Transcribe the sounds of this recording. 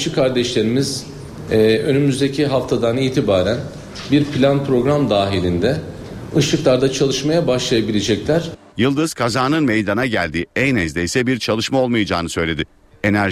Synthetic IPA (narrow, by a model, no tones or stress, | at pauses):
ʃɯkʰaɾd̪ɛʃlʲe̞ɾimiz̥ | ø̞nymyzd̪ecʰiɦaft̪ʰad̪aniːt̪ʰibaːɾæn | biɾpʰlʲanpɾo̞ɡɾamd̪aːɦilʲind̪ɛ | ɯʃɯklˠaɾd̪at͡ʃʰalˠɯʃmajabaʃlˠajabilʲe̞d͡ʒɛclʲæɾ̥ | jɯlˠd̪ɯz̥kʰazaːnɯnme̞jd̪anaɟælʲd̪iːɛjnɛzd̪ɛjsɛbiɾt͡ʃʰalˠɯʃmao̞lˠmajad͡ʒaːnɯsø̞jlʲe̞d̪ɪ | e̞næ